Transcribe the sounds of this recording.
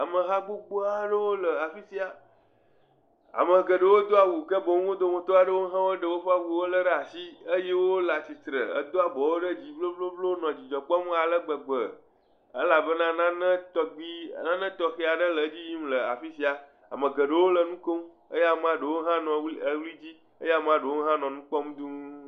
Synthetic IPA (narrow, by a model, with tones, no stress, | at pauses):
a˨mə̃˨ɦã˦ɡ͡bo˦k͡po˦a˦ɖə˦wo˦lə˨a˨fi˦si˨a˨ | a̰˨mə̃˨ɡə˨ɖə˨wo˦d̪o˦a˨wu˨kə˦bo˨ŋ̃˦wo˦d̪o˦mõ˨t̪o˦a˨ɖə˦wo˦ɦã˦wo˦ɖə˨wo˦ɸa˦wu˦wo˦lə˦ɖə˦a˨si˦ə˦je˦wo˦la˨si˨t̪ɾə˨ə̰˦d̪o˦a˨bɔ˨wo˦ɖə˦d͡ʑi˨vlo˦vlo˦vlo˦nɔ̃˨d͡ʑi˨d͡ʒɔ˨k͡pɔ˦m˦a˨lə˦ɡ͡bə˨ɡ͡bə˨ | ə̰˦la˨bə˦nã˦nã˦nə̃˦t̪ɔ˦ɡ͡bi˦˨nã˦nə̃˦t̪ɔ˦xe˦a˨ɖə˦lə˨˦d͡ʑi˦ji˦m˦lə˨a̰˨fi˦si˨˦a˨ | a̰˨mə̃˨ɡə˨ɖə˦˨wo˦lə˨nũ˦ko˦m˦ | ə˦ja˨m˦ã˦ɖə˨wo˦ɦã˦nɔ̃˨wə˦wli˦d͡ʑi˦ | ə˦ja˦˨m˦ã˦ɖə˨wo˦ɦã˦nɔ̃˨nũ˦k͡pɔ˦m˦d̪ũ˦